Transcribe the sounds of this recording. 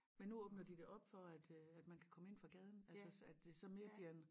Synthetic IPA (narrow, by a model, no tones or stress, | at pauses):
menːuɔːb̥nɐd̥id̥e̝ʔɒ̽b̥fɒ̽æd̥æd̥mænkʰæ̥kʰɒ̽məe̝n̰fʁɑ̈ɡ̥ɛːð̞ˠn̩ælsəæd̥d̥e̝sɒ̽me̝ːɐb̥liɐn